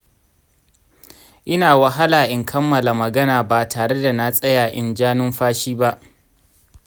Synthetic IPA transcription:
ʔɪ˦naː˨wɐ˨ɦa˦laː˨ʔɪ˨ŋkʰɐ˦mːɐ˨la˨mɐ˨ɡɐ˦naː˨baː˨tʰaː˨ɽe˦da˨na˦sʼɐ˦jaː˨ʔɪ˨nd͡ʒaː˦nʊ˦mɸaː˦ʃiː˦ba˦ʔ

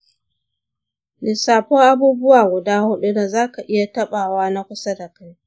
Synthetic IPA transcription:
nɪ˨saː˨ɸoː˦ʔa˦buː˦bʊ˦waː˨ɡʷʊ˨daː˦hʊ˦ɗu˦da˨zaː˦ka˨ʔɪ˦ja˨tɐ˦ɓaː˨waː˦na˦kʷʊ˦sa˦da˨ka˦j

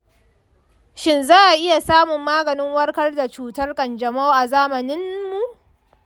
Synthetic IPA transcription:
ʃɪ˦nzaː˦ʔa˨ʔɪ˦ja˨saː˦mʊ˨mːaː˦ɡɐ˨nɪ˦ŋwɐ˦rkɐ˦rda˨t͡ʃuː˦tɐ˦rkʼɐ˨nd͡ʒɐ˨ma˦wʔa˨zaː˦mɐ˨nɪ˦mːu˨ʔ

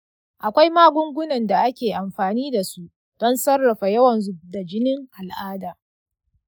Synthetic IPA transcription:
ʔa˨kʷa˦jmaː˦ɡʷʊ˦ŋɡʷʊ˦nɐ˨nda˨ʔa˦kʲeː˨ʔa˨mɸaː˨niː˦da˨su˦ʔ | d̥ɔ˦nsɐ˦rːɐ˨ɸa˨jɐ˦wɐ˨nzʊ˦bda˨d͡ʒɪ˦nɪ˦ŋʔa˨lʔaː˦daː˨

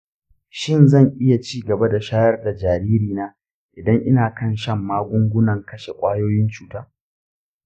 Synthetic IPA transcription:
ʃɪ˦nzɐ˦˨ŋʔɪ˦ja˨t͡ʃiː˦ɡɐ˨ba˦da˨ʃaː˦jɐ˦rda˨d͡ʒaː˨ɾiː˦ɾiː˨naː˦ | ʔɪ˨dɐ˦ŋʔɪ˦naː˨kɐ˦˨nʃɐ˦mːaː˦ɡʷʊ˦ŋɡʷʊ˦nɐ˨ŋkɐ˦ʃe˨kʷʼaː˦joː˦jɪ˦nt͡ʃuː˨taː˦

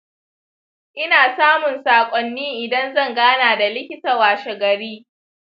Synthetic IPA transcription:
ʔɪ˦naː˨saː˦mʊ˨nsaː˨kʷʼɔ˨nːiː˦ʔɪ˨dɐ˦nzɐ˦˨ŋɡaː˦naː˨da˨lɪ˦kʲɪ˦ta˨waː˨ʃɛ˨ɡɐ˨ɾiː˦

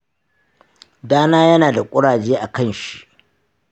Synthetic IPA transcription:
daː˦naː˦jɐ˦naː˨da˨kʷʼʊ˦ɽaː˨d͡ʒeː˦ʔa˨kɐ˦˨nʃi̥˦ʔ

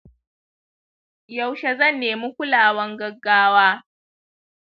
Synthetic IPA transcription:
jɐ˦˨wʃa˨zɐ˦˨nːeː˨mu˦kʷʊ˦laː˨wɐ˦ŋɡɐ˨ɡːaː˦waː˦

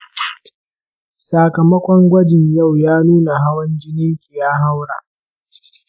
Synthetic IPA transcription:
saː˨kɐ˨mɐ˦kʷʼɔ˦ŋɡʷɐ˦d͡ʒɪ˨ɲja˦˨wjaː˦nuː˦na˨ɦa˦wɐ˦nd͡ʒɪ˦nɪ˦ŋkʲʼi˨jaː˦ɦa˦wɽa̰˨ʔ

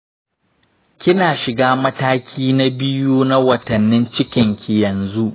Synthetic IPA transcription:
kʲɪ˦naː˨ʃɪ˨ɡaː˦mɐ˦taː˦kʲʰiː˦na˦bɪ˦juː˦na˦wɐ˨tɐ˨nːɪ˦nt͡ʃɪ˦kʲɪ˨ŋkʲi˨jɐ˨nzu˦ʔ

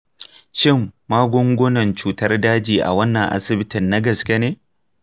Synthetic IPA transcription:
ʃɪ˦mːaː˦ɡʷɔ˦ŋɡʷʊ˦nɐ˨nt͡ʃuː˦tɐ˦rdaː˦d͡ʒiː˨ʔa̰˨wɐ˦nːɐ˨ŋʔa̰˦sɪ˨bɪ˦tɪ˨nːa˦ɡɐ˨skʲe˦neː˦

